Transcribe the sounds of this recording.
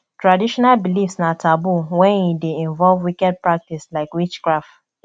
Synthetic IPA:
tɹadiʃɔnalbilifsnatʰabuwɛ̃nideĩɱvɔlvwikɛd̚pɹak̚tislaɪkwit͡ʃkɹaft

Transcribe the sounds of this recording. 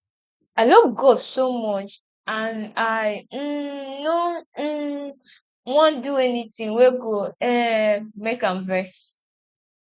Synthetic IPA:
aɪlɔvɡɔdsomɔt͡ʃ | ãnaɪ | no | wɔ̃nduɛnitĩŋweɡoɛmekãmvɛs

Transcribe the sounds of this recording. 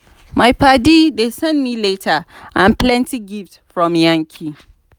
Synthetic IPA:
maɪpʰadidesɛ̃ndmiletʰaãnpʰlɛ̃ntʰiɡiftfɹɔ̃mjãŋkʰi

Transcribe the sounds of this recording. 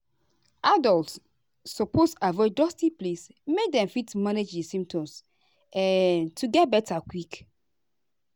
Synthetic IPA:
adɔltsː | ɔposavɔd͡ʒdɔstiples | mek̚dɛ̃mfitmaned͡ʒdisĩmtɔ̃ms | ɛntʰuɡɛt̚bɛtakwik

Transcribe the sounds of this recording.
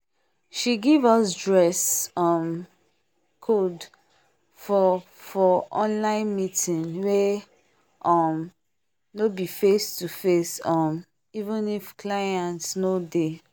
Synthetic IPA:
ʃiɡivɔsdɹɛsɔm | kʰod | fɔ | fɔʔɔ̃nlãɪ̃nmitʰĩnwe | ʔɔm | nobifestufesɔ̃m | ivə̃nifkʰlajãntnode

